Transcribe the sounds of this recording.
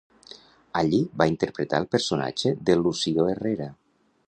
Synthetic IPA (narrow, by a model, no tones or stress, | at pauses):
aʎibaint̪eɾpɾet̪a̰lˠpəɾsona̰d͡ʒeðelusioereɾa